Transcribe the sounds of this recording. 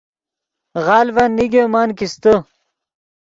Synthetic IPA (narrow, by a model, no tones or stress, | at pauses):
ʁɑːlvanːiɡomaːnkist̪o